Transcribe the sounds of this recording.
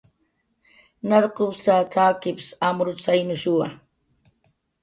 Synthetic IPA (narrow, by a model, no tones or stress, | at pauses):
naɾqowt͡sat͡saːkɪpsamɾʊt͡sajnʊʃʊwa